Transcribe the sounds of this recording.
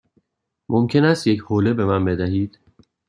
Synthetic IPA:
mʔomcʰe̞næst̪je̞choːle̞be̞mænbe̞d̪æɦiːd̪̥

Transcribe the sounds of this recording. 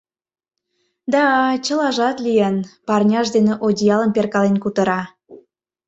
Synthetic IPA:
d̪ɑt͡ɕəlɑʒɑt̪lijenpɑrnʲɑʃd̪eneʔodʲijɑlənperkɑlenkut̪əɾɑ

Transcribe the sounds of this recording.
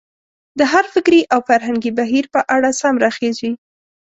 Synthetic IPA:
d̪əɦaɾfɪkɾiʔawfaɾɦaŋɡibaɦiɾpəʔaɽasamɾaxezi

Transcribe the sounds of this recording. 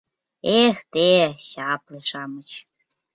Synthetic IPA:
ext̪eɕɑpleʂɑmə̆t͡ɕ

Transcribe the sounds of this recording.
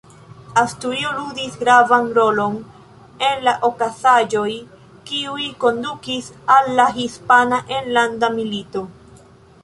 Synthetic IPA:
astuɾioludisɡɾavanɾo̞lo̞n | e̞nlaʔokasad͡ʒo̞j | kiuiko̞ndukisalːaɦispanaʔenlandamilito̞

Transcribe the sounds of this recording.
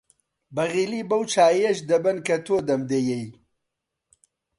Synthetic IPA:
bɐɣiliːbɐwt͡ʃaːjeʃd̪ɐbɐnkɐt̪ʰoːd̪ɐmd̪ejej

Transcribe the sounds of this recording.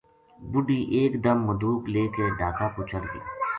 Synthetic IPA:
bʊɖiʔeːkd̪əmːʊd̪uːkleːkeɖaːkapʊt͡ʃʰəɽɡḭː

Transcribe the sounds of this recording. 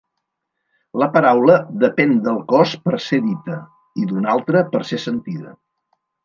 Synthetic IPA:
ləpəɾawləðəpɛnd̪əlˠkɔspəɾseðit̪ə | iðunalˠt̪ɾəpəɾsesənt̪iðə̰

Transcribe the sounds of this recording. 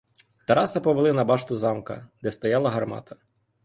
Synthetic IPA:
t̪ɐɾɑsɐpɔʋelˠɪnɐbɑʃt̪ʊzɑmkɐ̰d̪ɛst̪ɔjɑlˠɐɦɐrmɑ̰t̪ɐ̥

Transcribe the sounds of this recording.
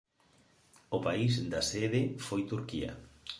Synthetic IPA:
ʊpaisd̪aseðefojt̪uɾkiɐ̰

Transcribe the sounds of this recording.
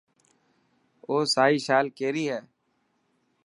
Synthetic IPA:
oːsaːiːʃaːlkeːɾiːɦɛː

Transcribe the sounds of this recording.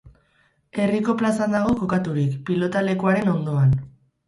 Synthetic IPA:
e̞riko̞plasand̪aɣ̞o̞ko̞kat̪uɾikpilo̞t̪ale̞kuaɾe̞no̞nd̪o̞an

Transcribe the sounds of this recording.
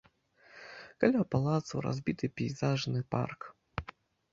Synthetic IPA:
kalʲapalˠat̪sṵɾa̰zʲbʲit̪ɨpʲijzaʐnɨpa̰rk

